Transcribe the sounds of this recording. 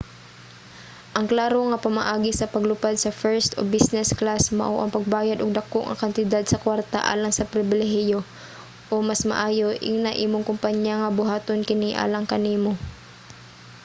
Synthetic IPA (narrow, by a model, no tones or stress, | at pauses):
ʔɐŋklaːɾoŋɐpɐmɐʔaːɡisɐpɐɡlʊpad̪sɐfɛɹst̪o̰bisnɛsklasmɐ̰ʔoʔɐŋpɐɡ̚baːjad̪ʊɡ̚d̪ɐkoʔŋɐ̰kɐnt̪ɪd̪ad̪̚sɐkwaɾt̪a̰ʔa̰ːlɐŋsɐpɾɪbɪlɛɦɪjo | ʔomasmɐ̰ʔaːjo̞ʔɪ̰ɡnaʔiːmoŋkʊmpaɲjaŋɐbʊɦaːt̪onkɪniʔa̰ːlɐŋkɐniːmo